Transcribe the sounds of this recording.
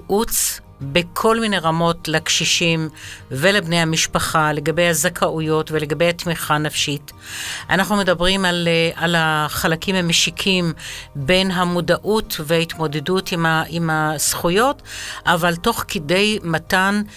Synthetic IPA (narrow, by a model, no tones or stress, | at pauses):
ʔut͡s | bekʰo̞lmine̞jʁamo̞tlekʃiʃimvelebne̞jhamiʃpaχale̞ɡabe̞jhazakʰaʔujo̞tveleɡabe̞jhatmiχanafʃit | ʔa̰naχnume̞dabʁimalalaχalakimhameʃikʰimbe̞jnɦamudaʔutveait̪mo̞dedutimaimasχujo̞tʔavalto̞χkede̞jmatan